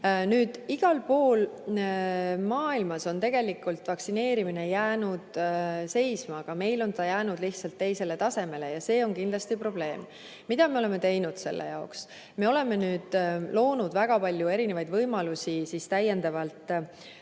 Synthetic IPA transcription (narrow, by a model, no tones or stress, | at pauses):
nyːd̪̥iɡ̥ɑlpo̞ːl | mɑːilmɑso̞nt̪e̞ɡ̥e̞likˑult̪ˑvɑksine̞ːɾimine̞jæːnud̪̥se̞jsmɑːɡ̥ɑme̞jlo̞nt̪ɑjæːnud̪̥liht̪sɑlt̪ːe̞jse̞le̞t̪ɑse̞me̞le̞jɑse̞ːo̞nkind̪̥lɑst̪ipro̞b̥le̞ːm | mid̪ɑme̞o̞le̞me̞t̪e̞jnud̪̥se̞̰lːḛjɑ̰oks | me̞o̞le̞me̞nyːd̪̥lo̞ːnud̪væɡ̥ɑpɑlʲjue̞ɾine̞vɑjd̪vɤjmɑlusʲisist̪æjːe̞nd̪̥ɑvɑlt̪ːˑ